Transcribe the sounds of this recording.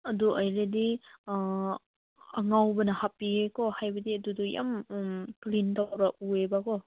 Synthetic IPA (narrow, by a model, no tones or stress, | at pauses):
ɐduajledi | ɐŋawbɐnɐhapiekɔhajbɐdiɐduduja̰mklintawɾaʔuebakɔ